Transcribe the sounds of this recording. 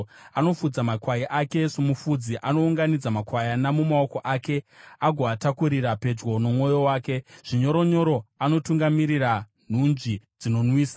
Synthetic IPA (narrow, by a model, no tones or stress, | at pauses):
ano̞fud͡zamakwajiʔake̞semufud͡ziʔano̞uŋɡanid͡zamakwajanamumao̞ko̞ʔaːke̞aɡʱoatakuɾiɾape̞d͡ʒɡo̞no̞mwo̞jo̞waːke̞ʐ̥iɲo̞ɾo̞ɲo̞ɾo̞ano̞tuŋɡamiɾira | n̤und͡ʒid͡zino̞nwiːsa